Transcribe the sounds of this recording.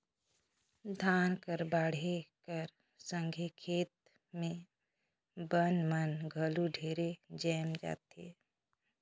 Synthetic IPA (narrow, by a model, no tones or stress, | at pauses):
d̪ʱaːnkəɾbaːɽ̤ekəɾ | sə̃ŋɡʱekʰeːt̪̚ | mẽ | bənmənɡʱəluɖʱeːɾed͡ʒɛːmd͡ʒa̰ːt̪e